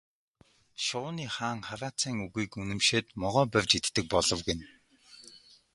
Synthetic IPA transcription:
ʃʊːniːχaːŋχaɾaːt͡siːŋuɣiːkunɘ̆mʃeːt̪mɔʁɔːpæwʲt͡ɕit̪ːɘ̆k̚pɔɮɞ̆wɡen

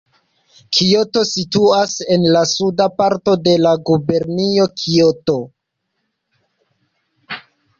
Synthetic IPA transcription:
kʰio̞to̞situase̞nlasudapaɾto̞de̞laɡube̞ɾnio̞kʰioto̞

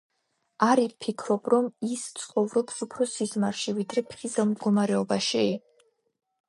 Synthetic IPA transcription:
aɾipʰikʰɾɔbɾɔmist̪sʼqʼɔvɾɔpsupʰɾɔsizmaɾʃivid̪ɾɛpʰχizɛlˠmd̪ɡɔmaɾɛɔbaʃi

